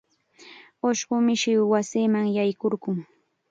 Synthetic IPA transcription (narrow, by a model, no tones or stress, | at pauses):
oʃɢʊmɪʃɪwwasiːmaŋjajkoɾɢʊŋ